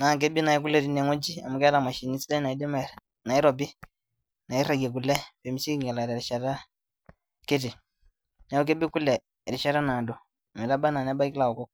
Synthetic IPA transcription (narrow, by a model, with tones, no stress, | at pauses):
na˨k̬e˦bi˦na˨i˦k̬u˦lɛ˨ɾi˦nɛ˨ŋɔ˦d͡ʒi˦a˨mu˨kɛ˦ɾa˨ma˨ʃi˨ni˦si˦da˦na˨i˦dɛ˦ma˨ | na˨i˦ɾɔ˨bi˦ | na˨i˦ɾa˨ɡe˨k̬u˨lɛ˦pe˨mi˦si˦kŋɡɛ˨la˨ɾa˨ɾi˨ʃa˨ta˦ | ke˦t̬i˨ | na˨˦u˦k̬e˦bi˦ku˦lɛ˨ | ɾi˨ʃa˦ɾa˦na˨dɔ˨ | mɛ˨ɾa˦ba˦na˨na˦ba˦i˦ki˦la˨ɔ˨kɔ˦k